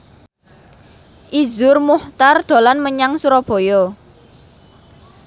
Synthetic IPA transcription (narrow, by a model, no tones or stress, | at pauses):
ʔizʊrmuht̪arɖ̪̥o̤lanməɲaŋsuɾɔb̥ɔ̤jɔ